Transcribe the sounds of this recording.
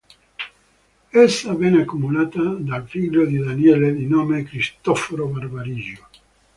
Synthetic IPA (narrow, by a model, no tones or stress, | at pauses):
esːavɛːneakːumulaːt̪ad̪alfiʎːod̪id̪anjɛled̪inoːmekɾist̪ɔfoɾobarbaɾiʒo